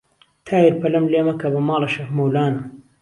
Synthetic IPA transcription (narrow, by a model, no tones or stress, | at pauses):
t̪ʰaːjiɾpɐlɐmleːmɐkɐbɐmɑːlˤɐʃɐfmɐwlaːnɐ